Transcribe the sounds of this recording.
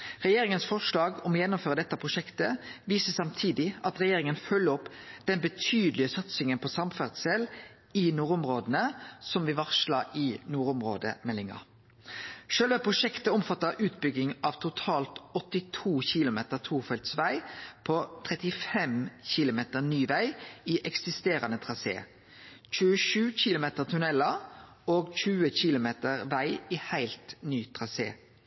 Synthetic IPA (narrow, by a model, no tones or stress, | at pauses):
ʁɛjeːɾɪŋənsfɔʂɭɑːɡɔmɔjɛnːʊmføːʁəd̪ɛt̪ːɑpʰʁʊʂɛkt̪əʋiːsəsɑmt̪ʰiːd̪ɪʔɑt̪ʁɛjeːɾɪŋənfœlːəɔpd̪̥ɛnbət̪ʰyːd̪lɪəsɑt̪sɪŋənpʰɔsɑmfæʁd̪sɛl | ɪnuːɾʊmʁoːd̪ənəsɔmʋɪʋɑʁʂlɑɪnuːɾʊmʁo̰ːd̪ə̰mɛlɪŋɑ̰ | ʃœlʋəpʰʁʊʂɛkt̪əɔmfɑt̪ːəɾʉːt̪bʏɡːɪŋɑʋt̪ʰʊt̪ʰɑːlt̪ɔt̪ːɪt̪ʰuːçɪlʊmeːt̪əʁt̪ʰuːfɛlt̪sʋæɪpʰoːt̪ʰʁɛt̪ɪfɛmçɪlʊmeːt̪ənyːʋæɪiːʔɛksɪst̪eːʁɑnət̪ʰʁɑsḛː | c͡çʉəʂʉːçɪlʊmeːt̪əʁt̪ʰʉnɛlɑ | oːɡc͡çʉːəçɪlʊmeːt̪əʁʋæɪiːhæɪlt̪nyːt̪ʰʁɑsḛː